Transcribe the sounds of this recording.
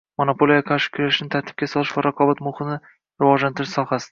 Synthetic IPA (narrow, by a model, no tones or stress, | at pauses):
monopolˠijakʰɑɾʃɪ̥kʰʊɾaʃɪnɪt̪ʰaɾt̪ʰɪ̥b̚kʲasɒlˠɪʃvaɾʔɑqʰɒbat̪mʊχɨnɪ | ɾɪvɒʒlant̪ʰɪɾɪʃsɒhasɪ̥